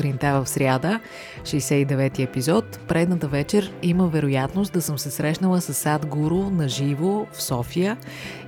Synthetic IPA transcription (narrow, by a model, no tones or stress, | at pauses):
ɾint̪avəfsɾʲjad̪ə | ʃijsɛid̪ɛvɛt̪iɛpizɔt̪pɾɛd̪nət̪əvɛt͡ʃɛɾiməvɛɾʊjat̪nost̪̚d̪ɐsɤmsɛsɾɛʃnəlˠəsəsːad̪ɡuɾʊnɐʒivofsɔfijə